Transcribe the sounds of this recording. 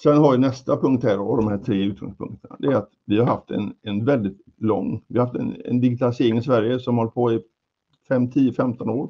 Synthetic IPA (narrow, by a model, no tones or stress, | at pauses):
sɛnhaɾʋɪnɛst̪apʰɵŋkt̪hæːɾɔd̪ɔmhæːʈʰɾeːʉt̪̚ɡɔ̰ŋspʰɵ̰ŋkt̪ʰəna̰d̪ɛæɾat̪vɪhaɾhaft̪ɛ̰nɛnvɛld̪ɪt̪ | lɔ̰ŋːvɪhahaft̪ɛ̰nɛ̰nd̪ɪɡɪt̪ʰalɪseːɾɪŋɪsvæɾjəsɔmhɔlːəpʰɔɪ | fɛmːt̪ʰiːəfɛmt̪ʰɔnoːɾ